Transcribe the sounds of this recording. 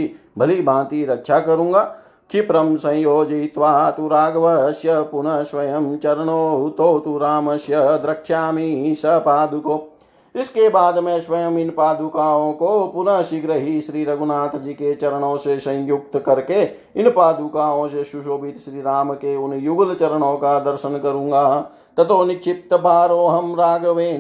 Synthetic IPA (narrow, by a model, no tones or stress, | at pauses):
ibʱɐlibʱãːt̪iɾɐkʃʰakɐɾũːɡaː | t͡ʃipɾəmsɐ̃joːd͡ʒit̪ʋaːt̪uɾaːɡʋəsjəpʊnəʃʋɐjəmt͡ʃɐɾəɳoːɦut̪oːt̪uɾaːmɐʃjəd̪ɾɐkʃaːmisɐpaːd̪ʊkoː | ɪskebaːd̪mɛ̃ʃʋɐjəmɪnpaːd̪ukaːõkopʊnɐʃiɡɾɐɦiʃɾiːɾɐɡunaːt̪ʰd͡ʒiːket͡ʃɐɾəɳ̃õːsesɐ̃jjʊk̚t̪kɐɾke | ɪnpaːd̪ukaːõːseʃuʃoːbɪt̪ʃɾiːɾaːmkeʊnjuɡlt͡ʃɐɾəɳ̃õːkad̪ɐɾʃənkɐɾũːŋɡaː | t̪ɐt̪oːnɪkʃɪp̚t̪ɐbaːɾoːɦɐmɾaːɡɐʋeːn